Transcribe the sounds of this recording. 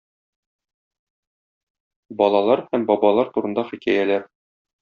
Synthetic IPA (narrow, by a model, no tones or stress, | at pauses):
bɒlˠɑlˠɑɾhæmbɒbɑlˠɑɾt̪uɾɤ̆nd̪ɑχikæjælæɾ